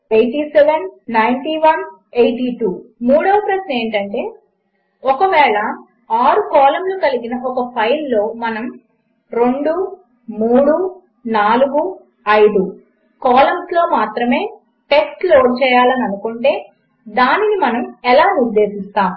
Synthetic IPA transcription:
ejʈiːsɛʋenːɐjɳʈiːʋɐn | ejʈiʈuːmuːɽɐʋɐpɾɐʃnɐe̞ːɳʈɐɳʈe̞ː | ɔkɐʋɛːɭɐ | aːɾukɔːlɐmloːkɐliɡinɐʔɔkɐpʰɐjlːo̞ːmɐnɐm | ɾe̞ɳɖu | muːɽu | naːluɡu | ɐjd̪u | kɔːlɐmslo̞ːmaːt̪ɾɐme̞ː | ʈe̞ksʈloːɾt͡ʃɛːjaːlɐnɐnukuɳʈe̞ː | d̪aːninimɐnɐmɛlaːniɾd̪ːe̞ːsist̪aːm

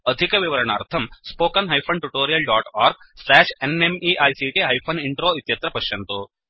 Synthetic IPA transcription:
ɐd̪ʱikɐʋiʋɐɾɐɳaːɾt̪ʰɐmspoːkɐnɦɐjpʰɐnʈuʈoːɾijɐlɖaːʈaːɾɡ̚ | sɛːʂenemiʔɐjsiːʈiɦɐjpʰoniɳʈɾoːit̪jɐt̪ɾɐpɐʃjɐnt̪u

